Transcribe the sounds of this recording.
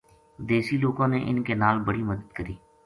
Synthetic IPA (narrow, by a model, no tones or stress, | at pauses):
d̪eːsiːloːɡõːneʔɪnkenaːlbəɽiːməd̪əd̪kəɾiː